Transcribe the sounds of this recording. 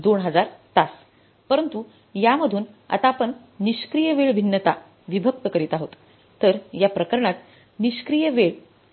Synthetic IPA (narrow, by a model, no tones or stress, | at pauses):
d̪oɳɦəd͡zaɾt̪as | pəɾənt̪u | jaməd̪ʱuːn | a̰t̪apəɳː | iɕkɾijəʋeɭbʱinːət̪a | ʋibʱək̚t̪əkəɾiːt̪aɦot̪ː | əɾjapɾəkəɾɳat̪ | niɕkɾijəʋeɭ